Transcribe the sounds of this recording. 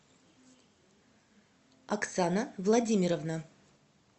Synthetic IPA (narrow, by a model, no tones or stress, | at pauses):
akt̪sanəvlˠɐdʲimʲɪɾəvna